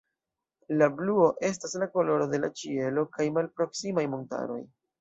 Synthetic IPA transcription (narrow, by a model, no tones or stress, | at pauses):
labluo̞ʔe̞s̬taslako̞lo̞ɾo̞de̞la̰t͡ʃie̞lo̞kajmalpɾo̞ksimajmonta̰ɾo̞̰j